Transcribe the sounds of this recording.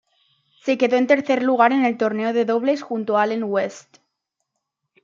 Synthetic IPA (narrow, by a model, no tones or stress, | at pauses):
se̞ke̞ðo̞e̞nt̪e̞ɾθe̞ɾluɣ̞aɾe̞ne̞lt̪o̞ɾne̞oðe̞ðo̞β̞le̞sxunt̪oaaleŋwest̪